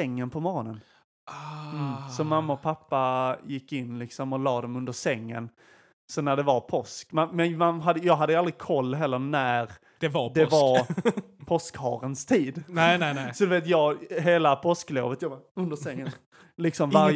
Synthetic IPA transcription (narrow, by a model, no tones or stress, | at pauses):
ɛŋːənpʰɔmɔɾɔnən | sɔmamːaɔpʰapːajɪkːɪnːlɪksɔmɔlɑːd̪ɔmɵnd̪əʂɛŋːə̰n | sɔnæɖɛvaɾpʰɔskmanmɛnmanɦad̪ːəjɑːɡɦad̪ːəjʉald̪ɾɪkʰɔlːɦɛlːəɾnæɾ | d̪ɛvɑd̪ɛvɑɾpʰɔskhɑ̰ːɾənst̪ʰiːd̪nɛnɛɛsɔd̪ɛveːt̪jɑːɡɦeːlapʰɔsklo̰ːvət̪jɑbaɵnd̪əsɛŋːən | lɪksɔmvaɾj